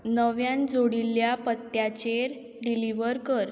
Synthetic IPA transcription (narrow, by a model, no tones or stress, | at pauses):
nəʋjand͡zoɽiljapət̪ːjat͡ɕeɾ | ɖiliʋəɾkəɾ